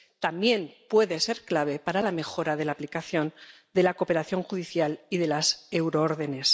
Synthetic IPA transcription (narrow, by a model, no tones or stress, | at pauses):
t̪ambje̞npwe̞ðe̞se̞ɾklaβ̞e̞paɾalame̞xo̞ɾaðe̞laːplikaθjo̞n | d̪e̞lako̞pe̞ɾaθjo̞ŋxuðiθjaliðe̞lase̞wɾooɾðe̞ne̞s